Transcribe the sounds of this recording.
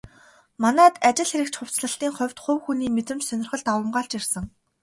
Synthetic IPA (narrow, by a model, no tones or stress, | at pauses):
manæːt̪at͡ɕɪ̆ɮxeɾɘ̆k̚t͡ɕχʊw̥t͡sɮə̆ɬt̪iːŋχʊ̟wʲt̪χɵwxuniːmet̪ɘ̆mt͡ɕsœnʲɪ̆rχə̆ɮt̪awə̆mɢaːɬt͡ɕirsə̆ŋ